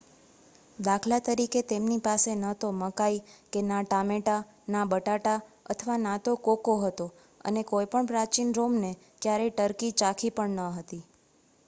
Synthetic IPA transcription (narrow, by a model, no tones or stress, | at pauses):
d̪akʰlat̪əɾiket̪emnipasenət̪oməkajkenaʈameʈa | nabəʈaʈa | ə̰t̪ʰəʋanãt̪okokoɦət̪o | ə̰nekojpəɳpɾat͡ʃinɾomne | kjaɾɛʈəɾkit͡ʃakʰipəɳnəɦət̪i